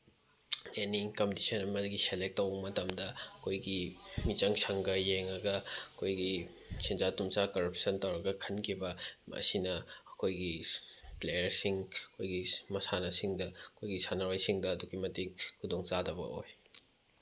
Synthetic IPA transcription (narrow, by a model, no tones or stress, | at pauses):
eniŋkɐmdisɐnɐmɐdɐɡiselek̚tːɐwɐmɐtɐmdɐɐkʰojɡimit͡ʃɐŋsʰɐŋɡɐjeŋɐɡɐɐkʰojɡi | sind͡ʒatumt͡ʃakɐɾɐpʰsɐntɐwɾɐɡɐkʰɐnkʰibɐmɐ̰sinɐɐkʰojɡiplejɐɾsiŋɐkʰojɡimɐsanɐsiŋdɐɐkʰojɡisanɐwajsiŋdɐːduɡimɐtiŋkʰudoŋt͡ʃadɐbɐ̰o̰j